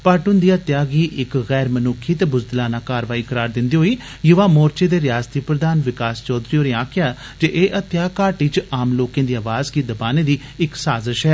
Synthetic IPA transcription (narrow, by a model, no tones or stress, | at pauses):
paːʈʊnd̪iːat̪jaːɡiːʔɪkɣɛːɾmənʊkʰːiːt̪eːbʊzd̪əlaːnaːkaːɾʋaːiːkəɾaːɾd̪ɪnd̪iːɦoːiː | jʊʋaːmoːɾt͡ʃeːd̪eːɾɪjaːst̪iːpɾəd̪aːnʋɪkaːst͡ʃɔːd̪ɾiːoːɾeãːkɪjaː | d͡ʒeʔeːʔət̪jaːkaːʈiːt͡ʃaːmloːkẽːd̪iːaːʋaːzkiːd̪əbaːneːd̪iː | ɪksaːzəʃɦɛː